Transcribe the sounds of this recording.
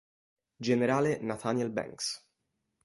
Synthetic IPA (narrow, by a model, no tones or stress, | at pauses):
d͡ʒeneɾaːlenat̪ʰanɛlbɛ̰ŋks